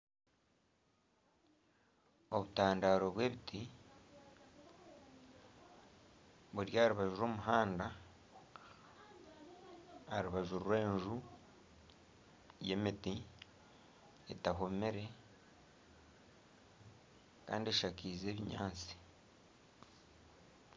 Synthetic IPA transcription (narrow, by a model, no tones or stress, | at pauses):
o̞βutaːndaːɾo̞βwe̞ːβiti | βuɾjaːɾuβaʒuɾo̞ːmuɦaːnda | aɾuβaʒuɾwe̞ːɲʒu | je̞miti | etaɦomeɾe̞ | ka̰ːndieʃakiːze̞ːβiɲa̰ːnt͡si̥